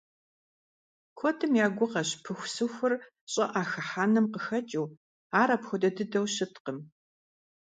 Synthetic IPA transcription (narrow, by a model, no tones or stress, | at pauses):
kʷʰɔtʰɨmjaːɡʷʊqɐɕpʰɨxʷsɨxʷʊr | ɕʼɐ̰ʔaːxɐħaːnɨmqəxɐt͡ʃʼiw | aːɾɐpxʷɔdɐdɨdɐwɕɪtqəm